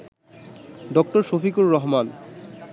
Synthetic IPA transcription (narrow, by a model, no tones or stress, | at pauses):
ɖɔk̚ʈoɾʃofikuɾːɔɦman